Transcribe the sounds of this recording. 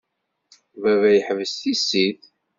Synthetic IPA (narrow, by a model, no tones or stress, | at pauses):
vævæjəħəvəsθisiθ